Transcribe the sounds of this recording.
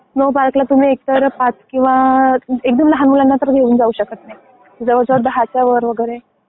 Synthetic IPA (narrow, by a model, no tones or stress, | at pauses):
nobaɾklat̪um̤iːek̚t̪əɾpat͡skĩw̃ʋaek̚d̪əmləɦanmulanːat̪əɾɡʱeuːnd͡zauɕəkət̪naɦi | id͡zəʋəɾd͡zəʋəɾd̪əɦat͡ɕjaʋəɾʋəɡəjɾe